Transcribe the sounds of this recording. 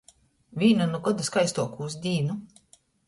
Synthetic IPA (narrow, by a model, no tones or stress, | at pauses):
vʲiːnanuɡɔd̪askajst̪uɔkuːzd̪ʲiːnu